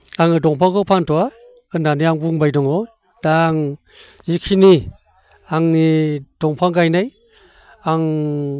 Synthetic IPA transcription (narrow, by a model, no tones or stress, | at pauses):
aŋɯdɔŋpʰaŋkɔwpʰantɔwa | ɯndaniaŋbuŋbajdɔŋɔ | daŋ | zikʰini | aŋid̥ɔŋpʰaŋɡajnaj | aŋ